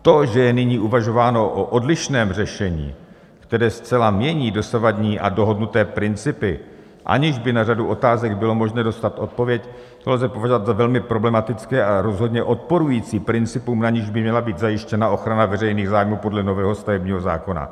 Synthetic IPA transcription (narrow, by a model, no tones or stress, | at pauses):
t̪o̞ʒɛjɛnɪɲiːʔuvaʒo̞vaːno̞ʔoʔodlɪʃnɛːmr̝ɛʃɛɲḭː | kt̪ɛɾɛːst͡sɛlamɲɛɲiːdo̞savadɲiːʔa̰do̞ɦo̞dnut̪ɛːpɾɪnt͡sɪpɪ | ʔa̰ɲɪʒbɪnar̝aduʔo̞t̪aːzɛɡbɪlo̞mo̞ʒnɛːdo̞st̪at̪ʔo̞t̪̚po̞vjɛc | t̪olɛzɛpo̞vaʒovat̪zavɛlmɪpɾo̞blɛmat̪ɪt͡skɛːʔaɾo̞zɦo̞dɲɛʔo̞t̪̚po̞ɾujiːt͡siːpɾɪnt͡sɪpumnaɲɪʒbɪmɲɛlabiːt̪zajɪʃcɛnaʔo̞xɾanavɛrɛjniːɣzaːjmuːpo̞dlɛno̞vɛːɦo̞st̪avɛbɲiːɦo̞za̰ːko̞na̰